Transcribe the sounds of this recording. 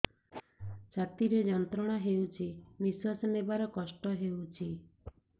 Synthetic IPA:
t͡ʃʰat̪iɾed͡ʒɔnt̪ɾɔɽ̃aɦewt͡ʃʰibiswasɔnebaɾɔkɔsʈɔɦewt͡ʃʰi

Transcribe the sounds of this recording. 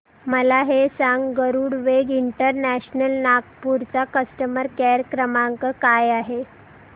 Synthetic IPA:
məlaɦesaŋɡɡəɾuːɽʋeɡiɳʈəɾnæɕnəlnak̚puɾt͡sakəsʈəməɾkeɾkɾəmaŋkəkajaɦe

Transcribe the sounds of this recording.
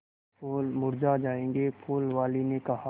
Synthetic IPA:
pulmʊɾd͡ʒad͡ʒaːẽːŋɡepʰuːlʋaːlinekɐɦa

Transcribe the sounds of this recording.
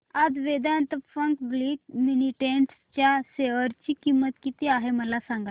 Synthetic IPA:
ad͡zʋed̪nt̪əfəŋkbliːkminiʈeɳʈst͡ɕjaseʋəɾt͡ɕikimːət̪kit̪iaɦeməlasãŋɡa

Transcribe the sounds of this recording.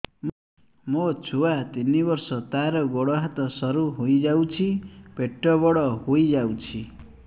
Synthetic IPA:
m | mot͡sʰuwat̪inibʌrsʌt̪aɾʌɡoɽʌɦat̪ʌsʌɾuɦojd͡zawt͡sʰipeʈːʌbʌɽʌɦojd͡zawt͡sʰi

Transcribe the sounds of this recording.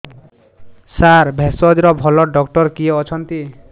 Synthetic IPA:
saɾbʱesɔd̪iɾɔbʱɔlɔɖɔkʈɔɾkieɔt͡ʃʰɔnt̪i

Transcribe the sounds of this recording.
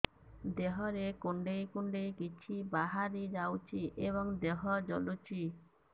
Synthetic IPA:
d̪eɦɔɾekuɳɖejkuɳɖejkit͡ʃʰibaɦaɾid͡ʒawt͡ʃʰiʔeβɔŋd̪eɦɔd͡ʒɔ̰lut͡ʃʰi

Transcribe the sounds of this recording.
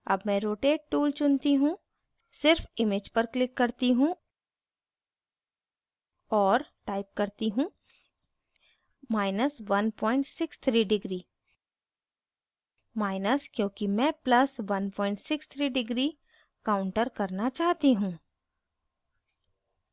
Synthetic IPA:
ɐ̰bmɛ̃ɾoːʈeːɖ̚ʈuːlt͡ʃʊnt̪iɦũ | sɪɾfɪmed͡ʒpɐɾklɪkːɐɾt̪iɦũː | ɔːɾʈaːɪp̚kɐɾt̪iɦũː | maːɪnəsʋɐnpɔːɪ̃ɳʈsɪkst̪ʰɾiːɖɪɡɾiː | maːɪnəskjõːkimɛ̃ːplɐsʋɐnpɔːɪ̃ɳʈsɪkst̪ʰɾiːɖɪɡɾi | kaːʊ̃ɳʈəɾkɐɾnat͡ʃaːɦt̪iɦũː

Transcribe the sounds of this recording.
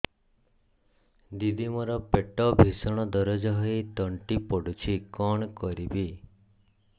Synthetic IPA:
d̪id̪imɔɾɔpeʈɔbʱisɔɽ̃ɔd̪ɔɾɔd͡ʒɔɦɔjt̪ɔɳʈipɔɽut͡ʃʰikɔɳ̃kɔɾibi

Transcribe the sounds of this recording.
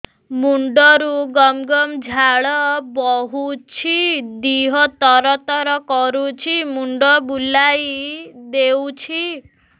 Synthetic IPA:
muɳɖɔɾuɡɔmɡɔmd͡ʒʱaɭɔbɔɦut͡ʃʰid̪iɦɔt̪ɔɾɔt̪ɔɾɔkɔɾut͡ʃʰimuɳɖɔbulajd̪ewt͡ʃʰi

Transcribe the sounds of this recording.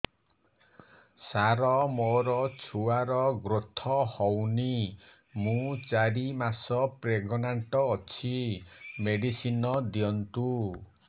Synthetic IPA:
saɾɔmoɾɔt͡ʃʰuaɾɔɡɾot̪ʰɔhɔwni | mũt͡ʃaɾimasɔpɾeɡɔnaɳʈɔːt͡ʃʰimeɖisinɔd̪jɔnt̪u

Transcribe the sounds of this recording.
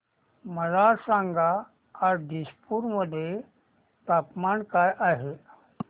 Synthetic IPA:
məɾasãŋɡaː | ɾɖ̪ispuɾməd̪ʱːje | t̪apmaɳkajʔaɦe

